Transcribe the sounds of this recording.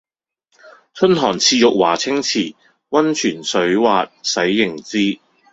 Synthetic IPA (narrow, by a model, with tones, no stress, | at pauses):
t͡sʰɵ˥nɦɔː˨˩ŋt͡sʰiː˧jʊ˨k̚waː˨˩t͡sʰɪ˥ŋt͡sʰiː˨˩ | wɐ˥nt͡ʃʰyː˨˩nsɵ˨˥ɥwaː˨t̚sɐ˨˥jːɪ˨˩ŋt͡siː˥